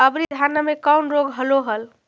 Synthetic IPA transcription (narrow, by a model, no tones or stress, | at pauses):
əbnid̪ʱanamekawnɾoɡʱɦəloɦəl